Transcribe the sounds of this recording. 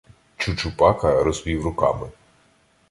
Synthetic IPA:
t͡ʃut͡ʃʊpɑkɐɾɔzʋʲiwrʊkɑ̰mɪ

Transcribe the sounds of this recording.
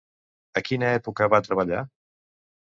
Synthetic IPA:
əkinəɛpukəβat̪ɾəβ̞əʎa

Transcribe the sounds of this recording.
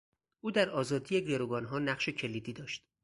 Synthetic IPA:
ʔuːd̪æɾɒːzɒːd̪ije̞ɡeɾoɡɒːnɦɒːnæχʃe̞cʰe̞liːd̪iːd̪ɒːʃt̪

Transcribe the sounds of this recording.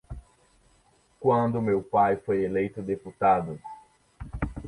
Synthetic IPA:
kwɐ̃nd̪ʊmewpajfojelejt̪ʊd̪eput̪ad̪ʊ

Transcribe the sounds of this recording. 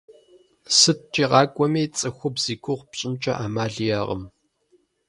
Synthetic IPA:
sɨt̚t͡ʃʼiːʁɑːkʷʼɔmeːt͡sʼɨxʷʊbz̥iːkʷʊʁpɕʼɪnt͡ʃʼɐ̰ʔaːmaːɮijaːʁə̰m

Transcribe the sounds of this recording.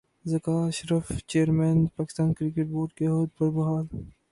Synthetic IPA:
zɐkaːʃɾəft͡ʃeːɾmeːnpaːkɪ̥st̪aːnkɾɪkeʈ̚boːɾʈkeɦoːd̪̚pɐɾbɐɦaːl

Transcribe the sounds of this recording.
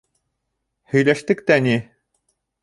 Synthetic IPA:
hɵ̆jlæʃt̪ɘkt̪æni

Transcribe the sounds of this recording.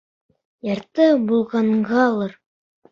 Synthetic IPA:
jɑɾt̪ɤbulˠʁɑɴʁɑɒlˠɤɾ

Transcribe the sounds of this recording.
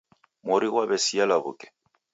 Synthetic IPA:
mʊɾiwabɛsialaβʊ̰kʼɛ̥

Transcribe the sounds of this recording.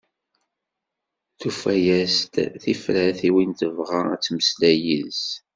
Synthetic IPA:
θufæjæst̪θifɾæθiwint̪əvʁaæ̰t͡sːməslæjḭðs

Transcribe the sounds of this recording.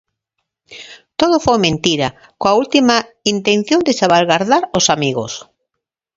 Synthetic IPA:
t̪oðofojmẽnt̪iɾɐ | koault̪ima | int̪ẽn̟θjond̪esaβalɣaɾðaɾosamiɣo̰s

